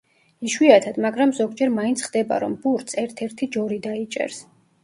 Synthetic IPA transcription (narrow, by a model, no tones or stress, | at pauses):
iʃwiat̪ʰad̪maɡɾamzɔɡd͡ʒɛɾmaint̪sʰχd̪ɛba̰ɾɔ̰mb̥uɾt̪sɛɾt̪ʰɛɾt̪ʰid͡ʒɔɾid̪ait͡ʃʼɛ̰ɾs